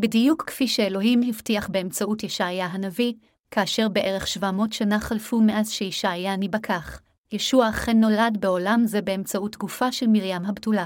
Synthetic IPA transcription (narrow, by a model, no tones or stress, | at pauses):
bedijukːfiʃeelo̞ɦimhivtiaχbeemt͡sautjeʃajaɦanavi | kaːʃe̞ʁbe̞ʔeʁeχʃvamo̞tʃanaχalfumeʔazʃeiʃajanibakʰaχ | jeʃuaχenːo̞ladbeo̞lamzebe̞emt͡sautɡufaʃelmiʁjamɦabtula